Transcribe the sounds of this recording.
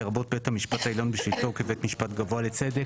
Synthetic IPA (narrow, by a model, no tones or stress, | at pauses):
eʁabot̚bethamiʃpathailonbeʃlit̪okevet̪miʃpat̪ɡavoalet͡se̞d̪e